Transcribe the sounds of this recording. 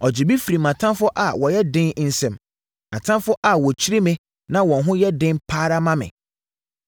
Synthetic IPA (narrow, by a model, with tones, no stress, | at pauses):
ɔ˨d͡ʑi˨bi˦fi˨ɾi˨mã˨tʰã˦fʊ˦ʔa˨wɔ˨jɛ˦dɪ̃˦nn̩˦sɛ̃˨m | ã˨tʰã˦fʊ˦ʔa˨wɔ˨t͡ɕʰi˦ɾi˦mɪ̃˦ | nã˦wɔ̃˨nɦʊ̃˦jɛ˦dɪ̃˦npʰaː˦ɾa˦mã˦mɪ̰̃˨